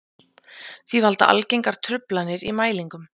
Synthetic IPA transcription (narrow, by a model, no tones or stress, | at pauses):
θivalt̪a̰ʔa̰lcejŋkaɾ̥t̪ʰɾʏplanːɪɾimaːjliŋkʏm